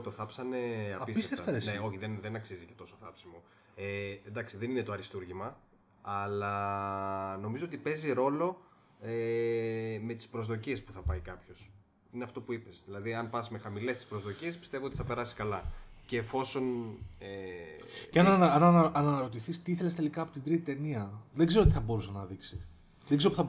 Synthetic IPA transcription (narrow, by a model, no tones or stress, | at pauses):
t̪oθɐpsɐne̞ɐɐispist̪efɐesneo̞çiðenðe̞nɐksizicet̪o̞soθɐpsimo̞ | end̪ɐksiðe̞nine̞t̪o̞ɐɾist̪uɾʝimɐ | ɐlɐ | no̞mizoo̞t̪ipe̞ziɾo̞lo̞ | e | me̞t̪i̥spɾo̞zðo̞ciespuθɐpɐikɐpço̞s | ineɐft̪o̞puipesðilɐðiɐnpɐsme̞xɐmile̞st̪i̥spɾozðo̞cie̞spi̥st̪e̞voo̞t̪i̥θɐpe̞ɾɐsiskɐlɐceːfo̞so̞ne | ceɐnɐnɐnʔɐnɐɐɾo̞t̪̬iθist̪iiθe̞lest̪e̞likɐːpo̞t̪ind̪ɾit̪it̪eniɐðe̞ɡze̞ɾoot̪iθɐbo̞ɾusenɐðiksi | ðeŋɡzeɾopuθɐ